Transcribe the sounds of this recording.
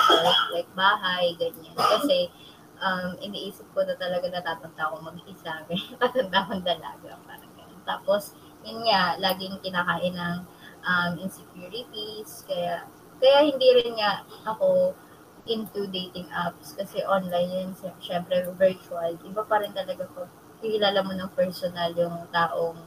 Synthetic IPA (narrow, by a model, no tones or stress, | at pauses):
sɛslɐjk̚baːɦɐjɡɐɲːankɐsɛ | ʔɐmʔɪniʔiːsɪp̚konɐt̪ɐlɐɡanɐt̪aːt̪ɐɡ̚d̪aʔkoŋmɐɡɪsaːmɪt̪aːt̪ɐnd̪aʔkɐnd̪ɐla̰ːɡɐpa̰ːɾɐŋɡɐnont̪aːpo̞s | jʊnŋalaːɡɪŋkɪnakaːʔɪnɐŋ | ʔɐmɪnsɛkjuːɹɪt̪iskɐjaʔ | kɐjahɪnd̪iːɾɪnŋaʔʔɐko̞ | ʔɪnt̪ud̪ejt̪ɪŋʔap̚skɐsɛʔonlajnnɛʃɛmpɾɛvɛɹt͡ʃuɐlʔɪbapɐɾɪnt̪ɐlɐɡako | hɪkɪlaːlɐmonɐŋpɛɹsonɐljʊŋt̪aːʔoŋ